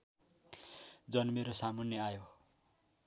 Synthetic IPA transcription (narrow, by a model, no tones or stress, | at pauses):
d͡zʌnmeɾosamʌnjʌajo